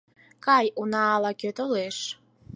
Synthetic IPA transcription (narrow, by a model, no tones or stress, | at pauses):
kʰajʔunaːlakʲʰøtʼoleʂ